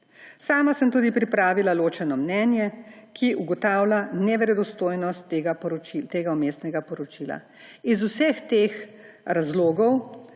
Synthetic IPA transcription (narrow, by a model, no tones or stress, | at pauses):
saːmasəmt̪uːd̪ipɾipɾaːʋilaloːt͡ʃɛnɔmnɛːnjɛkiʔuɡɔt̪aːwlʲanɛʋɛɾɛd̪ɔst̪oːjnɔst̪ːeɡapɔɾɔt͡ʃit̪eːɡaumeːsnɛɡapɔɾɔt͡ʃiːla̰ | izusɛxt̪eːx | ɾazloːɡɔw